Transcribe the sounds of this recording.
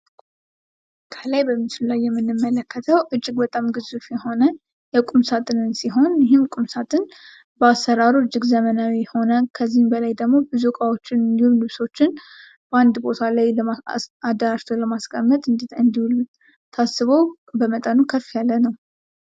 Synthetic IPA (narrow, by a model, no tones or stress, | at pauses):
kʰəlajbəmːit͡ʃɪlulajːɛmːɨnːɨmːələkʰːət̪ʰəwʔɨd͡ʒːɪɡbət̪ʼamɡɨzufjɛho̞nə | jɛkʼumsat̪ʼɨnɨnsiɦo̞njɪɦɪmkʼumsat̪ʼɨn | bəasːəɾaɾuɨd͡ʒːɪɡzəmənawiho̞nəkʰəzːihmbəlajd̪əɡmo̞bizukʼawo̞t͡ʃːɪnɨnd̪ihullɨβso̞t͡ʃːɪn | b̥əand̪bo̞t̪ʰalajləaad̪əɾaʃt̪ʰoləmaskʰʼəmːət̪ʼɨnd̪ɨnd̪iul | t̪ʰasːɨβo̞ | bəmət̪ʼənukʰəfːijalːənəw